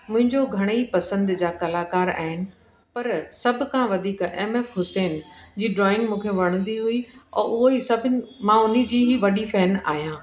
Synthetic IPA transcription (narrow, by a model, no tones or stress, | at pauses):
mʊ̃ɦɪ̃ɲd͡ʑoɡʱɐɽ̃əipɐsə̃nd̪d͡ʑaːkɐlaːkaːɾa̰ːɦɪnɪ̆ | pɐɾsɐbʱɪ̆kʰãːʋɐd̪ʱiːkeːmeːfɦʊsɛːnd͡ʑiːɖɾɔːɪ̃ŋɡmũːkʰeʋɐɽ̃nd̪iɦʊiɔ̰ːʔʊɦoisɐbʱɪ̆mãʊnĭd͡ʑiːɦiʋɐɗifɛːna̰ːɦijãː